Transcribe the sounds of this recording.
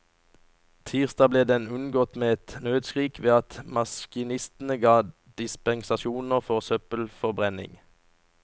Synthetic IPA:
t̪ʰiːʁst̪ɑːbleːd̪ɛnʉnɡɔt̪meːɛt̪nøːd̪skʁiːkʰʋeːɑt̪mɑskɪnɪst̪n̩əɡɑː | d̪̥ɪspɛnsɑʃuːnəʁfɔʁsœpəlfɔʁbʁɛnɪ̰ŋ

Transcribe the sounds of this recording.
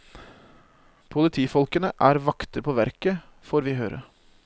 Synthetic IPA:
pʰʊlɪt̪ʰiːfɔlkənəʔæːɾʋɑkt̪əɾpʰoːʋæɾkə | foːɾʋɪːɦøːɾə̰

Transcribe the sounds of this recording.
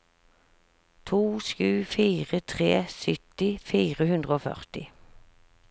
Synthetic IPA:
t̪ʰuːʃkʉːfiːʁət̪ʰʁeːsʏt̪ɪfiːʁəhʉnd̪ʁəoːfœ̰ʁt̪ɪ

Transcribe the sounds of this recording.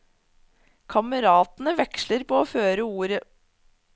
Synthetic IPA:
kʰɑməɾɑːt̪n̩əʋɛkʃləɾpoːoːføːɾəuːɾə

